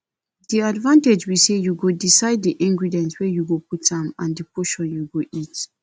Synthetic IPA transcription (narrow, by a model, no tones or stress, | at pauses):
diadvãnted͡ʒwisejuɡodisaɪd̚diʔĩŋɡɹidiɛ̃ntwɛjuɡop̚utãmã̰ndipʰoʃɔ̃njuɡoʔit